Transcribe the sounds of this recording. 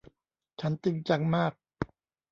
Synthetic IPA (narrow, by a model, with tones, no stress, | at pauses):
t͡ɕʰa˦˥nt̪i˧ŋt͡ɕa˧ŋmaː˥˩k̚